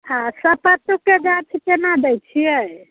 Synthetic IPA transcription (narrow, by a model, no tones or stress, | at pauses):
hãsəpət̪uked͡ʒat͡ʃʰikenad̪ɛjt͡ʃʰijɛ